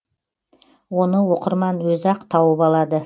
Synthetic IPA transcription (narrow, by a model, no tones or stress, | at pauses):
wonəwo̞qəɾmɑnwɵzɑqt̪ʰɑwəpɑlˠɑd̪ə